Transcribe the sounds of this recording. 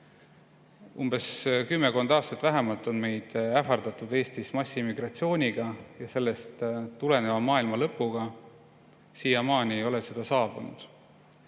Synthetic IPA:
umbeskymːeko̞nd̪ɑːst̪ɑt̪ːvæɦemɑlt̪ˑo̞nme̞jd̪̥æfɑrd̪̥ɑt̪ˑud̪̥e̞ːst̪ismɑsʲːimːiɡrɑt̪sio̞ːnʲiɡ̥ɑjɑse̞lːe̞st̪t̪ːule̞ne̞vɑmɑːilmɑlɤpːˑuɡ̥ɑ | siːjɑmɑːnʲieo̞lese̞d̪̥ɑsɑːb̥unṵd̪̥

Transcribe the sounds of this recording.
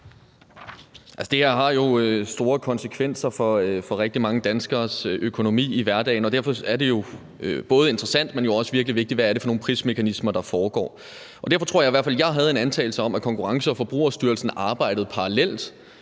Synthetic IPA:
ælsə̥d̥e̝hæɐ̰ɦɑ̈jo̝øsd̥o̝ːɐkʰɒ̽nsəkʰʋen̰sɐfɒ̽fɒ̽ʁɛɡ̥̚d̥imɑ̈ŋəd̥ænsɡ̥ɐːsøkʰo̝no̝mḭːiʋæɐd̥ɛ̰ɪnɒ̽d̥æɐfɒ̽æɐde̝jo̝ | øb̥ɔ̽ːð̩ˠe̝nd̥ʁəsæn̰d̥menjo̝ɒ̽səʋiɐɡ̥liʋe̝ɡ̥̚d̥i̥ʋææɐɾe̝fɒ̽no̝ːn̩pʰʁḭsme̝kʰænismɐd̥ɑ̈fɒːɡ̥ɒ̰ː | ʔɒ̽d̥æɐfɒ̽t͡sʰʁo̝ɐjiʋæɐ̰fæljɑ̈ɪɦæð̞̩ˠe̝nænt͡sʰɛ̰ɪl̩səɒ̽mækʰɒ̽ŋkuʁɑ̈ŋsəɒ̽fɒ̽b̥ʁṵːɐsd̥yɐl̩sn̩ɑ̈ːb̥ɑ̈ɪ̰d̥ð̞̩ˠpʰɑ̈ʁɑlel̰d̥

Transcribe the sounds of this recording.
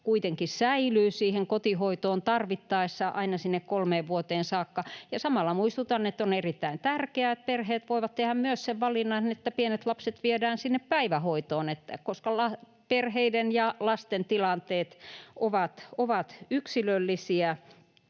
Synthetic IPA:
kuit̪eŋkissæilyːsiːheŋkot̪ihoit̪oːnt̪ɑrʋit̪ːɑisːɑʔɑ̰inɑsinːekkolmeːʋʋuot̪eːnsɑːkːɑjɑsɑmɑlːɑmuist̪ut̪ɑnet̪ːonerit̪ːæint̪ærkeæet̪̚perheːt̪ʋoiʋɑt̪t̪ehæmmyøsseʋʋɑlinːɑnet̪ːæpienet̪lɑpset̪ʋiedæːnsinːeppæiʋæhoit̪oːnet̪ːækoskɑlɑ | perheidenjɑlɑst̪ent̪ilɑnt̪eːt̪ʔoʋɑt̪oʋɑt̪yksilølːisiæ

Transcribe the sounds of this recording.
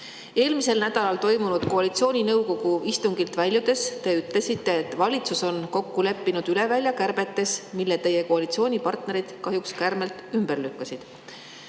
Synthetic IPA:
e̞ːlmise̞lnæd̪̥ɑlɑlt̪o̞jmunud̪̥ko̞ɑlit̪sio̞ːnʲinɤwko̞ɡ̥uist̪uŋɡ̥ilt̪vælʲjud̪̥e̞st̪e̞yt̪le̞sit̪ːe̞ːt̪ːvɑlʲit̪suso̞nko̞kːule̞pːinud̪̥yle̞vælʲjɑkærb̥e̞t̪ːe̞smilːet̪e̞je̞koɑlit̪sio̞ːnʲipɑrt̪ne̞ɾid̪̥kɑɦjukskærme̞lt̪ˑymb̥erlykːɑsid̪̥

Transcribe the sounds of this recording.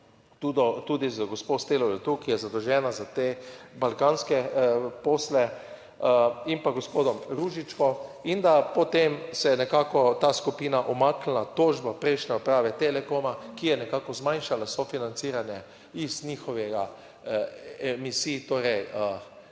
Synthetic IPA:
t̪ud̪ɔt̪uːd̪izəɡɔspost̪elɔlɛt̪ukijɛzad̪ɔʒɛːnazat̪eːbalkaːnskɛpoːslɛ | impaɡospoːd̪ɔmɾuʒit͡ʃkɔind̪apɔt̪emsɛnɛkaːkɔt̪aːskupiːnaʔɔmakl̩nat̪oːʒbapɾɛjʃnɛɔpɾaːʋɛt̪elɛkomakijɛnɛkaːkɔzmajnʃalasɔfinant̪siːɾanjɛ | iznixɔʋɛɡa | ɛmisiːt̪oːɾɛjə

